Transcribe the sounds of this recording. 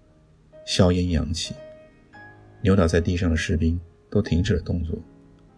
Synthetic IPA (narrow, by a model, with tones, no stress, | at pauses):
ɕjɑ˥ʊjɛ˥njɑ̰˧˥ŋt͡ɕʰi˨˩ | njt̪ɑ˨˩t͡sa˥˧ɪt̪i˥˧ʂ̬ɑ˥˩ŋd̪ə˩ʂɻ̩˥˩pi˥ŋt̪o˥ʊt̪ʰi˧˥ŋʈ͡ʂɻ̩˨˩ə˩t̪ʊ˥˧ŋt͡swɔ̰˥˩